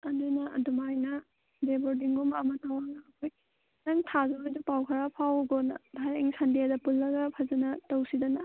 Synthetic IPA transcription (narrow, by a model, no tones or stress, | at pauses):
ɐndɯnaɐ̰dumajnɐ | deboɾdiŋɡumɐmɐtawaŋnaːkʰoj | naŋtʰazabajdupawkʰɐɾapʰawbɔnɐ̰bʱaɾeŋsandijadɐpulːɐɡɐpʰazanɐtɐwsidanɐ